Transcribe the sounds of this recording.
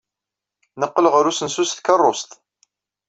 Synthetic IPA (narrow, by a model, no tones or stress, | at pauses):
nəqːəlʁəɾusənsusθkərˤːost̪